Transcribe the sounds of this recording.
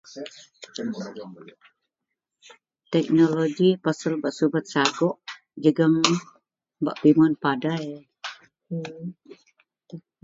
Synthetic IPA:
t̪ɛk̚noloɡipasəlbaʔsubət̪̚saɡɔʔ | d͡ʒəɡəŋ | ba̰ʔbimɔnpadae

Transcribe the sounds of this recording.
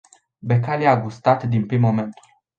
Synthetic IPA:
bekaliaɡust̪at̪d̪inpɾimːo̞me̞nt̪u

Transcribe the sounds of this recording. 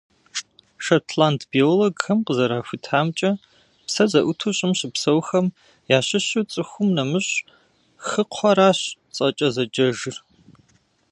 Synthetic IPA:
ʃɐtʰlantʰbeːwlɐɡxɐmqəzɐɾaːfʷʊtʰaːmt͡ʃʼɐ | psɐzɐʔʷʊtʰuɕʼɪmɕɪpsɐwxɐm | jaːɕɪɕut͡sʼɨxʷʊmnɐmɨɕʼ | xɨqʷʰɐɾaːɕt͡sʼɐt͡ʃʼɐzɐd͡ʒɐʒɨr

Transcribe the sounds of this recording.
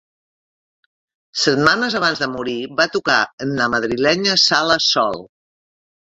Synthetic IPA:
sət̪manəzəβ̞anzðəmuɾiβat̪ukaənləməð̞ɾilɛɲəsaləsɔ̰lˠ

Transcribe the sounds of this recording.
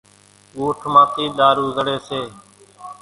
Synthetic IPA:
uːʈʰmãːt̪iːɗ̪aːɾuːzəɽeːseː

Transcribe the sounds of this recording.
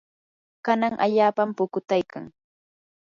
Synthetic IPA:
kanaŋʔa̰ʎaːpampʊkʊt̪ajka̰ŋ

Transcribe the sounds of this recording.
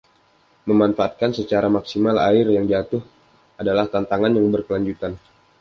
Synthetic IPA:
məmanfaat̪̚kansət͡ʃaɾamaksimala̰ɪrjaŋd͡ʒat̪ʊh | adalaht̪ant̪aŋanjaŋbərkəlaɲd͡ʒut̪an

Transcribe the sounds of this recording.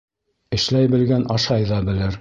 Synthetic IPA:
ɘ̆ʃlæjbɘ̆lɡænʔɑʃɑjðɑbɘ̆lɘɾ

